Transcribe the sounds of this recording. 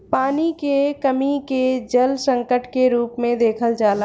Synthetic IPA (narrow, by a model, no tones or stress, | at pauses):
paːnikekəmiked͡ʒəlsə̃ŋkəʈkeɾuːpmẽd̪eːkʰəld͡ʒaːla